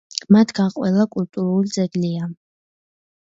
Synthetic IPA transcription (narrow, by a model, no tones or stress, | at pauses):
mat̪ʰɡaqʼwɛlakʼult̪ʼuɾuld͡zɛdlija